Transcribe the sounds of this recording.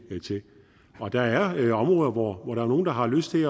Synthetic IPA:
t͡sʰe̝ | ɒ̽d̥ɑ̈æɐɒ̽mʁɔːðˠɐʋɒʋɒɾ̥ɑ̈æɐo̝ːn̩d̥ɑ̈ɦɑ̈løsd̥t͡sʰe̝

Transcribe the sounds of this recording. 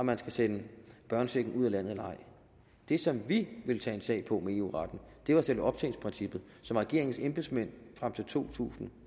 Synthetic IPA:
ɒmænsɡ̥æsenəb̥ɶɐnseɡ̥n̩uð̰ˠælæn̰ð̩ˠælɑ̈ɪ̰ | d̥e̝sɒ̽mʋiʋe̝lt͡sʰɛ̰ːe̝nsɛ̰ɪpʰɒ̽mee̝ːṵːʁɑd̥n̩d̥e̝ʋɑ̈sel̰ʋeɒ̽b̥̚t͡sʰɛ̰ːɪln̩spʰʁinsib̥ð̞̩ˠ | sɒ̽mʁɛɡ̥e̝ɐ̰eŋn̩semb̥esmen̰fʁam̰t͡sʰe̝lt͡sʰo̝̰ːt͡sʰṵːsn̩

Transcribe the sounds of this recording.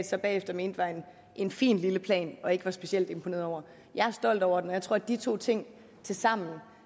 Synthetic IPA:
d̥sɑ̈ɪb̥ɛ̰ːefd̥ɐme̝ːnd̥ʋɑ̈e̝n | ʔe̝nfḭːnliləpʰlɛ̰ːnɒ̽e̝ɡ̥əʋɑ̈sb̥e̝siel̰d̥e̝mpʰone̝ɐɒ̰ʊ̰ɐ | jɑ̈ɪæɐsd̥ɒ̽l̰d̥ɒʊ̰ɐd̥enɒjɪt͡sʰʁo̝ɐ̰d̥it͡sʰo̝̰ːt͡sʰe̝ŋ̰ | t͡sʰe̝lsɑ̈m̰n̩

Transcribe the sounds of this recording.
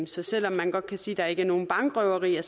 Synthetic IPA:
sɒ̽sel̰ɒ̽mːænɡ̥ɒ̽d̥̚kʰæsiːd̥ɑ̈æɐe̝ɡ̥əɐno̝ːn̩b̥ɑ̈ŋɡ̥ʁœʊɐʁḭːɐs

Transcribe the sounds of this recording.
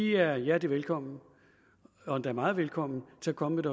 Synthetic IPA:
iæɐjæd̥iʋelkʰɒ̽m̰n̩ | ɒ̽d̥æɐmɑ̈ːð̞̩ˠʋelkʰɒ̽m̰n̩t͡sʰe̝ækʰɒ̽məmeɾ̥ɒ

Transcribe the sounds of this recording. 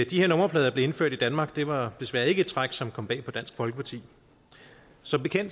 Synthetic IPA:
d̥ihe̝ɐ̰nɔ̽mɐpʰlɛːð̞ˠɐble̝e̝nføɐ̰d̥id̥ænmɑ̈ːɡ̥d̥e̝ʋɑ̈d̥e̝sʋæːɐe̝ɡ̥əe̝d̥̚t͡sʰʁɑ̈ɡ̥sɒ̽mkʰɒ̽m̰b̥ɛ̰ːpʰɒ̽d̥æn̰sɡ̥fɒ̽lɡ̥əpʰɑ̈t͡sʰḭː | sɒ̽b̥e̝kʰen̰d̥

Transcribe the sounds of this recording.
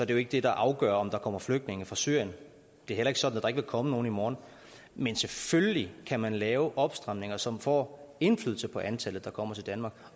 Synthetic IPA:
sɒ̽d̥e̝joe̝ɡ̥əd̥e̝d̥ɑ̈ʔɑ̈ʊɡ̥œɐɒ̽md̥ɑ̈kʰɒ̽m̰ɐfløɡ̥̚d̥ne̝ŋəfʁɑ̈sy̰ɐ̰jən | d̥e̝æɐhelɐe̝ɡ̥əsɒ̽dn̩æd̥ɑ̈e̝ɡ̥ʋe̝lkʰɒ̽məno̝ːn̩imɒːn̩ | menseføləlikʰæmænlɛːʊʔɒ̽b̥sd̥ʁɑ̈m̰ne̝ŋɐsɒ̽mfɒ̰ːe̝nflyːðˠl̩səpʰɒ̽ʔænt͡sʰælð̩ˠd̥ɑ̈kʰɒ̽m̰ɐt͡sʰe̝ldænmɑ̈ːɡ̥

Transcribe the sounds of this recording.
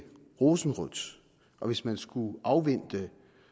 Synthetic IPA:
ʁo̝sn̩ʁɔd̥s | ʔɒ̽ʋe̝smænsɡ̥uʔɑ̈ʊʋen̰d̥ə

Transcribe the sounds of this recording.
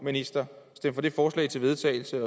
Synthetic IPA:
minisd̥ɐsd̥em̰fɒ̽d̥e̝fɒːslɛ̰ɪt͡sʰe̝lʋe̝ðˠt͡sʰɛ̰ɪl̩səɒ̽

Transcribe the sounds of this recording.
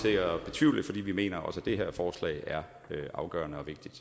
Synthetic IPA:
sʰe̝̰ɐɒb̥e̝t͡sʰʋiʊlid̥fɒ̽d̥ḭːʋime̝̰ːnɐʔɒ̽sæd̥e̝ɦeɐ̰fɒːslɛ̰ɪæɐ | øʔɑ̈ʊɡ̥ɶ̰ːɐnəɒ̽ʋe̝ɡ̥̚d̥id̥

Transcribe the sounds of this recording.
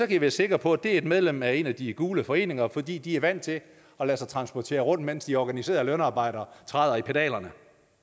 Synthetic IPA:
sɒ̽kʰæjiʋæːɐse̝ɡ̥ʁɐpʰɒ̽æd̥e̝æɐe̝d̥með̞ˠlem̰æe̝næd̥iɡ̥uːləfɒ̽e̝̰ːne̝ŋɐfɒ̽d̥ḭːd̥iæɐʋæn̰t͡sʰe̝ | ɒ̽læsɑɪt͡sʰʁɑ̈nsb̥ɒt͡sʰe̝̰ːɐʁɔ̽n̰d̥men̰sd̥iɒɡ̥ænise̝̰ːɐðˠlønɑ̈ːb̥ɑ̈ɪ̰ɾ̥ɐt͡sʰʁɑðˠɐipʰed̥ɛ̰ːlɐnə

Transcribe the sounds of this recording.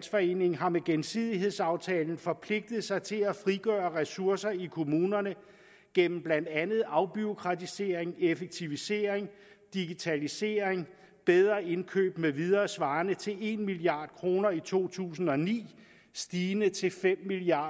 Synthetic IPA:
nsfɒ̽e̝̰ːne̝ŋ̩ɦɑ̈meɡ̥emsið̞̰ˠiɦe̝ð̰ˠsɑ̈ʊt͡sʰɛːln̩fɒ̽pʰle̝ɡ̥̚d̥ð̩ˠsɑ̈ɪt͡sʰe̝læfʁiɡ̥œːɐʁɛsuɐsɐikʰo̝muːnɐnə | ɡ̥en̰m̩b̥læn̰d̥ænð̞̩ˠɑ̈ʊb̥yo̝kʰʁɑ̈t͡sʰise̝ːɐeŋefeɡ̥̚t͡sʰiʋise̝̰ːɐeŋ | d̥iɡ̥it͡sʰælise̝̰ːɐeŋ | b̥eð̞ˠʁɐe̝nkʰø̰ːb̥meʋið̞ˠɐːsʋɑ̈ːnət͡sʰe̝le̝nmiliɑ̈ːd̥̚kʰʁo̝ːnɐit͡sʰo̝̰ːt͡sʰṵːs̬n̩ɒ̽nḭː | sd̥iːnət͡sʰe̝lfem̰miliɑ

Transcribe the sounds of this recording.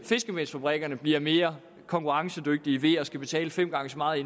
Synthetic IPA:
fe̝sɡ̥əmensfæb̥ʁɛɡ̥ɐnəb̥liɐ̰me̝ːɐ | kʰɒ̽ŋkʰuʁɑ̈ŋsəd̥øɡ̥̚d̥iʋe̝ɒ̽sɡ̥æb̥e̝t͡sʰɛ̰ːləfem̰ɡ̥ɑ̈ŋəsɒmɑ̈ːð̩ˠe

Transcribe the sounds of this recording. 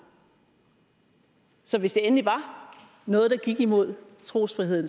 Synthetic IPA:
sɒ̽ʋe̝sd̥e̝enliʋɑ̈ | nɔ̽ːð̞̩ˠd̥ɑ̈ɡ̥iɡ̥imo̝ð̞̰ˠ | t͡sʰʁo̝̰ːsfʁiɦe̝ð̞̰ˠn

